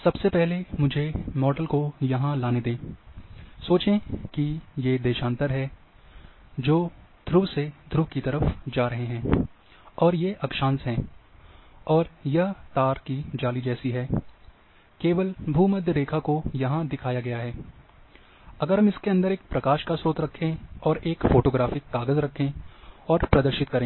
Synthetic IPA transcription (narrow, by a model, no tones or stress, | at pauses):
sɐbsepɛɦlemʊd͡ʒʱemɔːɖəlkojɐɦãlaːned̪ẽː | soːt͡ʃẽkijed̪eːʃãːnt̪əɾɦɛː | d͡ʒoːd̪ʱɾused̪ʱɾukit̪ɐɾəfd͡ʒaːɾɐɦeɦɛ̃ː | ɔːɾjeʔɐkʃãːnsɦɛ̃ː | ɔːɾjɐɦt̪aːɾkid͡ʒaːlid͡ʒɛːsiɦɛː | keːʋəlbʱuːmɐd̪ʱjəɾeːkʰakojɐɦãd̪ɪkʰaːjaɡɐjaɦɛː | ɐɡəɾɦɐ̃mɪskeɐ̃nd̪əɾeːk̚pɾɐkaːʃkasoːt̪ɾɐkʰːẽɔːɾeːkfoːʈoːɡɾaːfɪkːaːɡəzɾɐkʰːẽɔːɾpɾɐd̪əɾʃɪt̪̚kɐɾẽː